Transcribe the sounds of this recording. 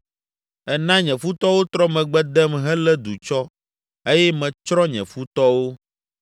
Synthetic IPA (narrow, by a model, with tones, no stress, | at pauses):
ɛ˦nã˦ɲɛ̃˨fu˦t̪ɔ˦wo˦t̪ɾɔ˦mɛ̃˨ɡ͡bɛ̃˦d̪ɛ˦mɦɛ̃˦lɛ˦d̪u˨t͡ʃɔ˦ | e˦jɛ˦mɛ̃˨t͡ʃɾɔ˦ɲɛ̰̃˨fu˦t̪ɔ˦wo˦